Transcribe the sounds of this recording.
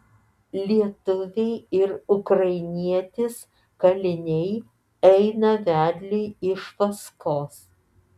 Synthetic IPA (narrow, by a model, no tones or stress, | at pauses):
lʲiɛt̪ʊʋʲɛɪɪɾʊkɾɐɪnʲiɛt̪ʲɪs | kɐlʲɪnʲɛɪ | ɛɪnɐʋʲæːd̪ʲlʲeɪɪʃʋɐskoːs